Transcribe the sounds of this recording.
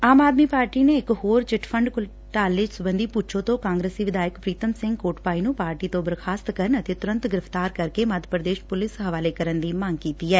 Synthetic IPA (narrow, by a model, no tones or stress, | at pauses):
aːmaːd̪miːpaːɾʈiːneːɪkhoːɾt͡ʃɪʈʰpʰəɳɖkʊ | ʈaːlʋɪd͡ʒsʊbənd̪iːpʊt͡ʃʰõːt̪õːkãːŋɡɾeːsiːʋɪd̪aːjəkpɾiːt̪əmsɪ̃ŋɡkoːʈpaːinũːpaːɾʈiːt̪õːbəɾkʰaːst̪kəɾənət̪eːt̪ʊɾə̃nt̪ɡɪɾɪft̪aːɾkəɾkeːməd̪ʱəpɾəd̪eːʃpʊlɪsɦəʋaːleːkəɾənd̪iːmaːŋɡkiːt̪iːɛː